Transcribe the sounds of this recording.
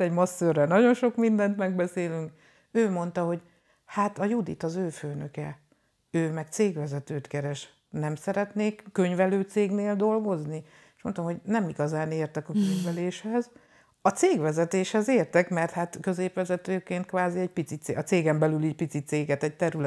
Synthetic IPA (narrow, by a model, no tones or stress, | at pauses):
ɛɟmɒsːørɛlnɒɟo̞nʃo̞kmind̪ɛnt̪mɛɡ̚bɛseːlyŋk | øːmo̞n̪t̪ɒɦo̞ɟ | hat̪ɒjud̪ḭt̪ɒzøːføːnøkɛ | øːmɛkt̪seːɡʋɛzɛt̪øːt̪kɛɾɛʃ | nɛmsɛɾɛt̪neːkːø̞ɲvɛløːt̪seːɡneːld̪o̞lɡo̞zni | eʃmo̞nt̪omho̞ɟnɛmiɡɒzaːneːrt̪ɛkɒkøɲvɛleːʃhɛz | ɒt̪seːɡʋɛzɛt̪eːʃhɛzeːrt̪ɛkmɛrt̪hat̪kø̞zeːpʋɛzɛt̪øːkeːnt̪kʋaːziɛɟ̚pit̪sit̪seʔɒt̪seːɡɛmbɛlyliːɟ̚pit̪sit̪seːɡɛt̪ɛc̚t̪ɛɾylɛ